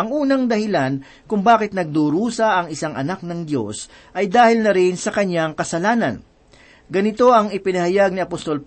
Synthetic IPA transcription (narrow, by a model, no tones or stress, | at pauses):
ɐŋʔuːnɐŋd̪ɐhɪlan | kʊŋbaːkɪt̪nɐɡ̚d̪uːɾuːsɐʔɐŋɪsaŋʔɐ̰nak̚nɐŋd̪jo̞̰s | ʔɐjd̪aːhɪlnɐɾɪnsɐkɐɲːaŋkɐsɐlaːnɐ̰n | ɡɐnɪt̪o̞ʔɐŋɪpɪnɐhɐjaɡ̚niɐpost̪o̞lp